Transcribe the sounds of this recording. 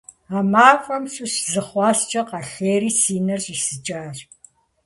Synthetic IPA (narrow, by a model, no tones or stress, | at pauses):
aːmaːfʷʼɐmsʼuɕzɨχʷɑːst͡ʃʼɐqɑɬeːɾiːsiːnɐrɕʼisɨt͡ʃʼaːr